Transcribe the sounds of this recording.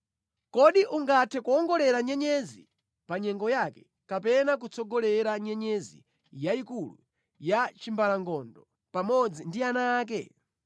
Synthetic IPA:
kɔɗiʔuŋɡatʰɛkuɔŋɡɔlɛɾaɲɛɲɛzḭ | paɲɛŋɡɔjakɛ | kapɛnak̬ut͡sɔɡɔlɛɾaɲɛɲɛzḭ | jaikulṵ | jat͡ʃimbalaŋɡɔndɔ | pamɔd͡zindianaːk̬ɛ̰

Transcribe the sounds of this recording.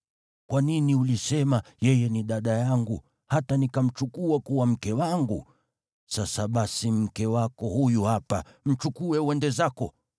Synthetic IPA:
kwaniniulisɛmajɛjɛniɗaɗajaŋɡu | hatanikam̩t͡ʃukuakuwam̩kɛwaŋɡu | sasaɓasim̩kɛwakɔhujuhapa | m̩t͡ʃukuɛwɛndɛzakɔ

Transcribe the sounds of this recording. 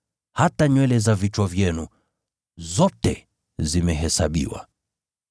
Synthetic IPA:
hataɲwɛlɛzavit͡ʃwavjɛnu | zɔtɛ | zimɛɦɛsaɓḭwa̰

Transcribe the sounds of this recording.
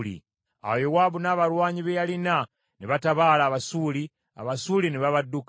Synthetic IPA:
lḭ | a̰jowaːβunaːβaɾwaːɲiβejalina | neβataβaːlaːβasuːli | a̰βasuːlineβaβadːuk

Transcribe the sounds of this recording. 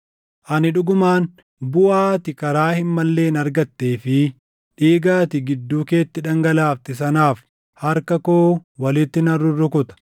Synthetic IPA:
ʔɐnɪᶑʊɡʊmaːn | bʊʔaːt̪ɪkɐɾaːhɪmːɐlːe̞ːnɐɾɡɐt̪ːe̞ːfɪ | ᶑiːɡaːt̪ɪɡɪd̪ːuːke̞ːt̪ːɪᶑɐŋɡɐlaːft̪ɪs̬ɐnaːf | hɐɾkɐkoːwɐlɪt̪ːɪnɐrːʊrːʊkʊt̪ɐ̥

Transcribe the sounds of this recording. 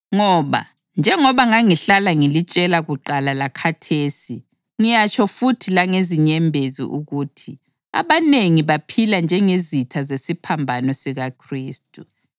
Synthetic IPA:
ŋɔβa̰ | nd͡ʒʱɛŋɔβaŋaŋiɬalaŋilit͡ʃʼɛlaɣuǃalalakʰatʰeːsi | ŋijat͡ʃʰʼɔfutʰilaŋeziɲɛmbʱezḭʔuɣutʰi | a̰βaneŋiβapʰiland͡ʒʱɛŋezitʰazesipʰambʱanɔsiɣakʰriːstʼu

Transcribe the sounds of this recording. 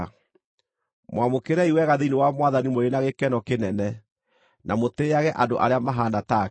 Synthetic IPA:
mwamokeɾɛiwɛɣaðeinewamwaðanimoɾenaɣekɛnɔkenɛnɛ | namoteːaɣɛʔandoʔa̰ɾeamaɦanata

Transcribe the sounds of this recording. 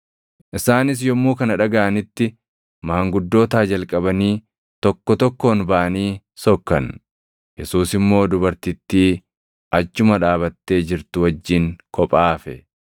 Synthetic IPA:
ʔɪsaːnɪs̬jɔmːuːkɐnɐᶑɐɡɐʔɐnɪt̪ːɪ | maːŋɡʊd̪ːo̞ːt̪aːd͡ʒɐlkʼɐbɐniː | t̪ɔkːɔt̪ɔkːo̞ːnbaʔɐniː | sɔkːɐn | jɛsuːsɪmːo̞ːd̪ʊbɐɾt̪ɪt̪ːiː | ʔɐt͡ʃːʊmɐᶑaːbɐt̪ːe̞ːd͡ʒɪɾt̪ʊwɐd͡ʒːiŋkɔpʼaːfɛ

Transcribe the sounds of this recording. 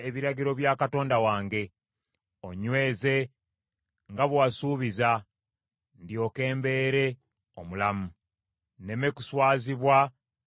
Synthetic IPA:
eβiɾaɡiɾo̞βjaːkato̞ːndawaːŋɡe̞ | oɲwe̞ːze̞ | ŋɡaβwaːsuːβiza | ndjo̞ːke̞ːmbe̞ːɾe̞ | o̰mulamu | ne̞mekuswaːziβwa

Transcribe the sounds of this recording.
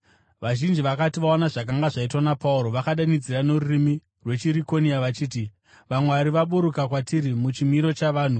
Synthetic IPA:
ʋaʒind͡ʒiʋakatiʋaonaʐakaŋɡaʐaitwanapauɾo̞ʋakaɗanid͡ziranorurimi | rwe̞t͡ʃiɾiko̞niaʋat͡ʃiːt̬i | ʋamweʋaɾiʋaɓuɾukakwatiɾimut͡ʃimiɾo̞t͡ʃaʋaːn̤u

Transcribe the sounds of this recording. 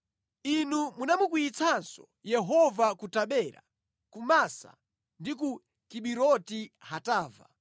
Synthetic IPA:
inumunamukuit͡sʰansɔ | jɛɦɔvakutaɓɛɾa̰ | kumasa̰ | ndiku | kiɓiɾɔtihataːva̰

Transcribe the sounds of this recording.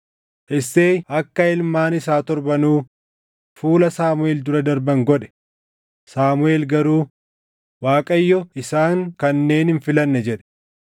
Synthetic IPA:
ɪsːeːɐkːɐɪlmaːnɪsaːt̪ɔɾbɐnuː | fuːlɐsaːmʊeːld̪ʊɾɐd̪ɐɾbɐŋɡɔᶑɛ̥ | saːmʊe̞ːlɡɐɾuː | waːkʼɐjːɔɪsaːŋkɐnːe̞ːnhɪnfɪlɐnːɛd͡ʒɛᶑɛ̥

